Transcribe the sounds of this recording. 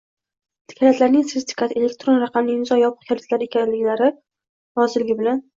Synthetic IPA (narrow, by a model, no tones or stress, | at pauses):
t̪ʰɪ̥kʲʰalat̪laɾnɪŋsɪzt̪ʰɪ̥kʰat̪elek̚ʲt̪ɾo̞nɾɑqʰɑmlɪŋnɪzɒjɒpʰə̥qkʲʰalʲat̪laɾɪekʲʰanlɪkʲlaɾɪ | ɾɒzɪlɪɡʲɪbɪlan